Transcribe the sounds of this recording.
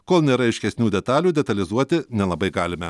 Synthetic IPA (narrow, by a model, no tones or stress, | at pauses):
koːlˠnʲeːɾɐɐɪʃʲkʲɛsʲnʲuːd̪ʲɛt̪ɑːlʲuːd̪ʲɛt̪ɐlʲɪzuɔt̪ʲɪnʲɛlˠɐbɐɪɡɑːlʲɪmʲɛ